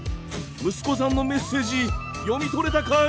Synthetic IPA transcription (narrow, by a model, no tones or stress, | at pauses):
mɯ̟sɨ̥ko̞s̬ãnːo̞me̞sːe̞ːd͡ʑi | jo̞mʲit̪oɾe̞t̪akʰa